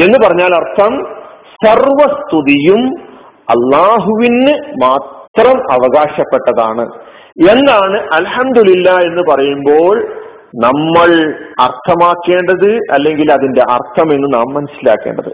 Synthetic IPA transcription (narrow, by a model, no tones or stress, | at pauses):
e̞nːɨpɐrɐɲːaːlɐrt̪ʰɐmsɐrʋɐst̪uðijum | ɐ̰lːaːɦuʋinːɨmaːt̪rɐmɐʋɐɣaːɕɐpːe̞ʈːɐðaːɳɨ | e̞nːaːɳɨʔɐlhɐmd̪ulilːɐe̞nːɨpɐrɐjumbo̞ːɭ | nɐmːɐɭɐrt̪ʰɐmaːkːe̞ːɳɖɐðɨɐlːe̞ŋɡilɐðinde̞ʔɐ̰rt̪ʰɐme̞nːuna̰ːmːɐnɐsːila̰ːkːḛːɳɖɐðɨ̰